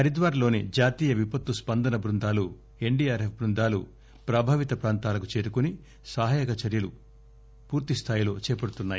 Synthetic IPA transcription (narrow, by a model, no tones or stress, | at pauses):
ɐɾid̪ʋaːɾɐlo̞ːnid͡ʒaːt̪iːjɐʋipɐt̪ːuspɐnd̪ɐnɐbɾund̪aːlu | e̞ɳɖiːjaːɾefbɾund̪aːlṵ | pɾaːbʱaːʋit̪ɐpɾaːnt̪aːlɐkut͡ʃe̞ːɾukuni | saːɦaːjɐkɐt͡ʃɐɾjɐlu | puːɾt̪ist̪ʰaːjilo̞ːt͡ʃɛːpɐɽut̪unːaːji